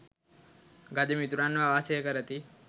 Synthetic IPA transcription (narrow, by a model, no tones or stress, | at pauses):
ɡad̪emit̪uɾanːʋaʋaːsejəkəɾət̪i